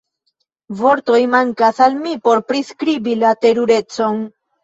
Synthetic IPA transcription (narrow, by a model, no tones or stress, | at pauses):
vo̞ɾt̪o̞jmaŋkasalmipo̞ɾpɾiskɾibilate̞ɾuɾe̞t͡so̞n